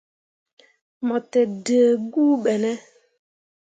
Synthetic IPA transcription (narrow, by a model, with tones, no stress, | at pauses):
mɔ˨tɛ˨də˨ɡu˦ɓɛ˨nɛ˦